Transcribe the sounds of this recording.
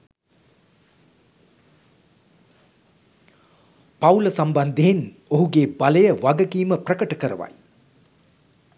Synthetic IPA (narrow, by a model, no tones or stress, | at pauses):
pawləsamband̪eːn | oɦuɡeːbaləjəʋaɡəɡiːməprəkəʈəkəɾə̰ʋa̰j